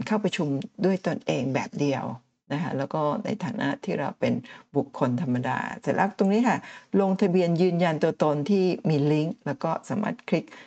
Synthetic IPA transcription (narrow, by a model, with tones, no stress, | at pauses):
kʰaː˥˩wpɾa˧t͡ɕʰu˧mdu˥˩əjt̪o˧nʔeː˧ŋbɛ̰ː˨˩p̚di˧əw | na˦˥kʰa˦˥lɛː˦˥wkɔː˥˩na̰˧jt̪ʰaː˨˦nʔa̰˦˥ʔt̪ʰiː˥˩ɾa̰˧wpe˧nbu˨˩kʰːo˧nt̪ʰa˧mːa˧da̰ː˧t̪ɛ˨˩la̰˦˥˩t̪o˧ŋniː˦˥kʰa˥˩lo˧ŋt̪ʰa˧bi˧ənjɯː˧nja˧nt̪u˧ɐt̪o˧nt̪ʰiː˥˩miː˧li˦˥ŋlɛː˦˥wkɔː˥˩saː˩˦ma̰˧˩t̪̚kʰɾi˦˥k̚